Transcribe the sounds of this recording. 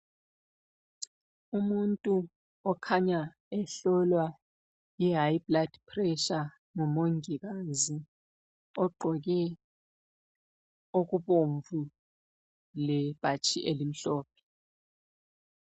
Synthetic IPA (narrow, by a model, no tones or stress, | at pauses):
umuntʼu | ɔkʰaɲa | ɛɬɔlwa | jɛɦajblad̥pʰrɛʃa | ŋɔmoŋik̬aːzi | ɔɡ͡ǃʱɔk̬ɛ | ok̬uɓoɱvu | lɛpʼat͡ʃʰiʔelim̩ɬɔːp̚ʰɛ̥